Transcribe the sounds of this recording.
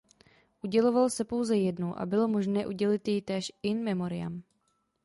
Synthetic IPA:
ʔuɟɛlovalsɛpo̞wzɛjɛdnuʔa̰bɪlomoʒnɛːʔuɟɛlɪt̪jɛt̪ɛːʃɪnmɛmoɾɪja̰m

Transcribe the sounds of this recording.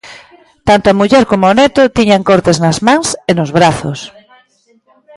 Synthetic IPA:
t̪ant̪oamuʎɛɾkomoanɛt̪ʊt̪iɲaŋkoɾt̪eznazmãŋsenozβɾaθo̰s

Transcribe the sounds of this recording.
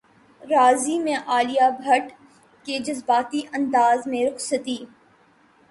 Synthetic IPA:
ɾaːzimẽʔaːlijabʱɐʈ | ked͡ʒɐzbaːt̪iʔɐ̃nd̪aːzmẽɾʊksət̪iː

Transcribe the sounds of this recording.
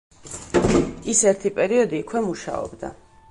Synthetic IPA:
isɛɾt̪ʰipʼɛɾiɔd̪iːkʰwɛmuʃa̰ɔ̰bd̪a̰

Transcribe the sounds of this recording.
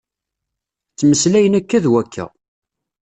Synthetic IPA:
t͡sːməslæjənækːæðwækʰːæ̰

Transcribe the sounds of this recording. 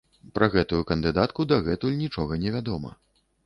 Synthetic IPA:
pɾʔɐɣɛt̪ujukɐnd̪ɨd̪at̪kud̪ɐɣɛt̪ulʲnʲit͡ʂɔɣɐnʲɛvʲad̪ɔmɐ̰

